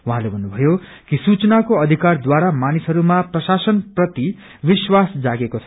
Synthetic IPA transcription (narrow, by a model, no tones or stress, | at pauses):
uɦãlebʱʌnːubʱʌjo | kisut͡sʌnakoʌd̪ʱikard̪waɾamanisɦʌɾumaprʌsasʌnprʌt̪i | biswasd͡zaɡekoʌ